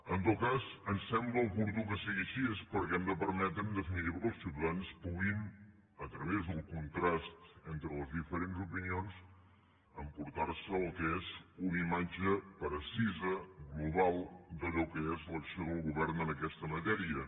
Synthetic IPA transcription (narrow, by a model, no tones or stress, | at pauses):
ənt̪ot̪̚kazənsɛmbləəpuɾt̪ukəsiɣiəʃiespəɾkɛmd̪əpəɾmɛt̪ɾənd̪əfinit̪iβəəlˠsiwt̪əðanspuɣin | ət̪ɾəβezðəlˠkunt̪ɾast̪ent̪ɾələzðifəɾenzupinions | əmpuɾt̪arsəːlˠkəezunimad͡ʒəpɾəsizəɣluβalˠd̪əʎɔkəezləksioðəlˠɣuβɛɾnənəkɛst̪əmət̪ɛɾiə